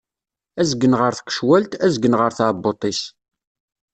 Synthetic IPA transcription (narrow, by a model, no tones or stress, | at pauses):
æzɡənʁəɾθə̥kːə̥ʃwælt̪æzɡənʁəɾθabːot̪ˤis